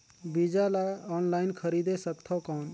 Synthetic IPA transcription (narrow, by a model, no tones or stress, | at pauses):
bid͡ʒalaɔːnlaːɪnkʰəɾiːd̪esəkt̪ʰɔkɔːn